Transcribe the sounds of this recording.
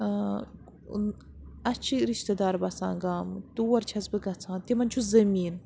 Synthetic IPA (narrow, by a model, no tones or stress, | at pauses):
ɐt͡ʃʰiɾiʃt̪ɐd̪aːɾbɐt͡sa̰ːŋɡaːmt̪uwɐɾt͡ʃʰɐzbɨɡɐt͡sʰãːnt̪imɐnʲt͡ʃʰuzɐmiːn